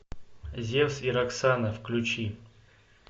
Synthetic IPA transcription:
zʲewsiɾaksanəfklʲut͡ɕi

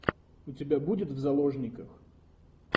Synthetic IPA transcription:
ʊtʲɪbʲabudʲɪt̪vzɐlˠoʐnʲɪkəx

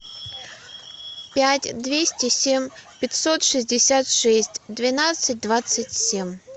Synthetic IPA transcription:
pʲætʲd̪vʲesʲtʲɪsʲemʲpʲɪtʲsot̪ʂɨzʲdʲɪsʲat̪ʂɛsʲtʲd̪vʲɪnat̪sɨt̚ʲd̪vat̪sətʲsʲemʲ

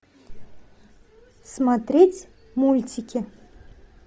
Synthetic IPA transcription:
smat̪ɾʲetʲ | mulʲtʲɪkʲɪ

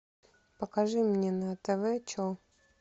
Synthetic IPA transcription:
pəkaʐɨmnʲenɐt̪ɛvɛt͡ɕo

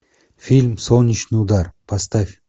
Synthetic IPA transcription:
filʲmsownʲit͡ʃnɨud̪aɾpʰast̪afʲ

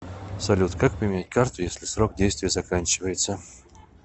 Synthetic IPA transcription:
sɐlʲut̪kak̚pɾʲɪmʲɪnʲæt̚ʲkart̪ʊjesʲlʲɪsroɡ̚dʲejst̪vʲɪjəzɐkanʲt͡ɕɪvəjɪt̪sə

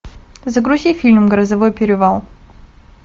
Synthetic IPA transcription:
zəɡɾʊzʲifʲilʲmɡəɾəzɐvojpʲɪɾʲɪvalˠ

